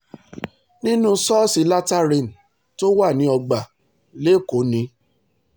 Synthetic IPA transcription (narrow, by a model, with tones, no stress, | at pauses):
nĩ˦nũ˦sɔ˦si˧la˦ta˦ɾĩ˦˨n̩˨ | to˦wa˦˨nĩ˨˦ɔ˧ɡ͡ba˨ | le˦˨ko˨˦nĩ˧˦